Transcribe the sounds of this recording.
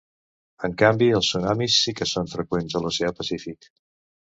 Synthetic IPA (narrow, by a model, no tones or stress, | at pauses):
əŋkambiəlˠsːunamisːikəsonfɾəkwenzəluseəpəsifik